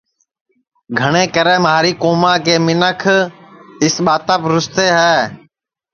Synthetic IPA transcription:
ɡʱəɳ̃ẽːkəɾɛːmaːɾiːkoːmãːkeːmɪnəkʰ | ɪsɓaːt̪əpɾʊst̪eːɦɛː

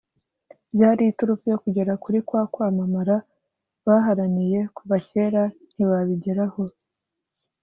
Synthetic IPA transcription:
bjaːɾiːtuɾufujo̞kuɟe̞ɾakuɾikwaːkwaːmamaɾa | βaːɦaɾanije̞kuβace̞ːɾan̥iβaβiɟe̞ɾaho̞

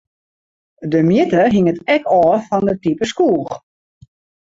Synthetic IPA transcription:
dəmjɪtəɦɪŋətɛkɔːfɔndətipəskuːəx

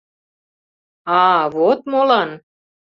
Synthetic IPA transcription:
ɑvot̪molɑn

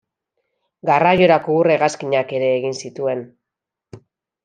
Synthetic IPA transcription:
ɡaraʝo̞ɾakoureɣaskiɲake̞ɾe̞ːɣinsit̪ue̞n

